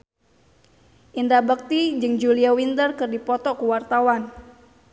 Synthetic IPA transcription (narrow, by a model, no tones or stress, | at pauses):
ʔindabək̚t̪id͡ʒɨŋd͡ʒuliawint̪ərkɨrdipɔt̪ɔkuwart̪awan